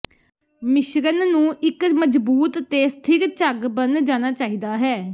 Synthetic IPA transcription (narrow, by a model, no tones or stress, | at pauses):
mɪʃɾənːũːʔɪkməd͡ʒbuːt̪ːeːsə̥t̪ʰɪkt͡ʃəɡbənd͡ʒaːñaːt͡ʃaːiːd̪aːɦɛː